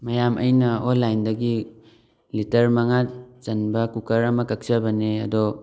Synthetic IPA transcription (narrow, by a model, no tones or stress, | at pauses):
majamʔɐ̰jnɐonlːajndɐɡi | litɐɾmɐŋat͡ʃɐnbɐkukɐɾɐmɐkak̚sabɐneɐ̰dɔ